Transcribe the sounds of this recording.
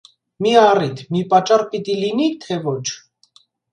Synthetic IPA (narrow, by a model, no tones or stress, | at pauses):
miɑrit̪ʰmipɑt͡ʃːɑrpit̪ilinit̪ʰɛvɔt͡ʃʰ